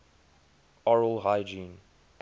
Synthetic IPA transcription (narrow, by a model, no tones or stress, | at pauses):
ɔɹəlˠɦaɪd͡ʒĩn